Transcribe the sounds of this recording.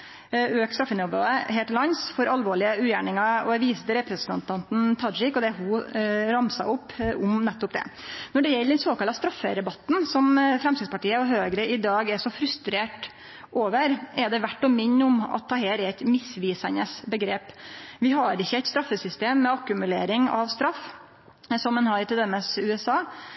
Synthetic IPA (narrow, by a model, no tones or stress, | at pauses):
øːkst̪ɾɑfənɛmbɾo̰ːd̪əheːlt̪lɑnsfɔɾɑlʋoːɭɪəʉːjæːɳɪŋɑɔ̰æɾʋiːsd̪əɾɛpɾɛsnɑnt̪ʰɑnt̪n̩t̪ʰɑd͡ʒɪkːɔd̪ɛɦʊɾɑmsɑ̰ʊpːʊmnɛt̪ːʊpd̪ɛ̰nɔɖɛjɛlːəd̪ɛnsoːkɑlːɑst̪ɾɑfːəɾɛbɑt̪ːn̩sɔmfɾɛmst̪ɪd̪spɑʈiːəɔɦøːɡɾəɪd̪ɑːɡɛʂɔfɾʉst̪ɾeːʈ | ʔoːʋəɾɛɖɛʋæʈːɔmɪɲːʊmɑ̰t̪ʰːɑːheːɾæt̪mɪsʋiːsænəsbəɡɾeːpʋɪɦɑɾɪçːəæɪt̪st̪ɾɑfːəsʏst̪eːmːɛɑkʉmʉleːɾɪŋɑ̰ʋst̪ɾɑf | sɔmːɛnɦɑɾɪt̪ɪɛməsʉːɛsɑː